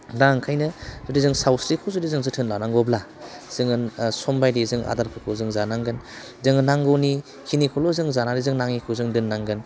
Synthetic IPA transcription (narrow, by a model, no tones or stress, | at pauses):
daŋkʰajnɯzɯdizɯŋsawsɾikʰɯzɯdizɯŋzɯtʰɯnlanaŋɡɔbla | z̥ɯŋɯnsɔmbajdizɯŋa̰daɾpʰɯkʰozɯŋzanaŋɡɯn | zɯŋɯnːaŋɡɔni | kʰinikʰɔlɔzɯŋzanaɾizɯŋnaŋikʰɯzɯŋdɯnːaŋɡɯn